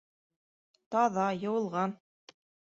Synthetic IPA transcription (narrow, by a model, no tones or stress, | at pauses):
t̪ɑðɑjɤ̆wɤ̆lˠʁɑn